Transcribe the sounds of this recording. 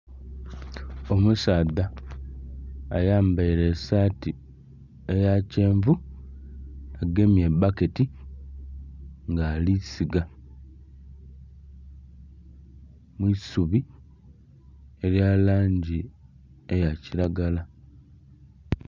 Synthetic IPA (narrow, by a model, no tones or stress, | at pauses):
o̞musaːða | jaːmbaiɾe̞saːti | ejace̞ːɱvu | aɡe̞mjebake̞ti | ŋɡaːlisiɡa | mwisuβi | e̞ɾjalaːɲɟi | e̞jaciɾaɡala